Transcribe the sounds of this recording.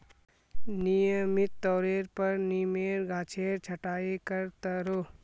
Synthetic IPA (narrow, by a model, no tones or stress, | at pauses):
nijəmɪt̪ːɔːɾeːɾpɐɾniːmeːɾɡʱaːt͡ʃʰeːɾt͡ʃʰɐʈaːikɐɾt̪ɐɾoː